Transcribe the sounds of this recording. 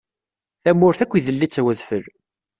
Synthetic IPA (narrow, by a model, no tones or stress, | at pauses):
θæmːʊɾθækʷːiðəlːit͡sːæwəðfəɾ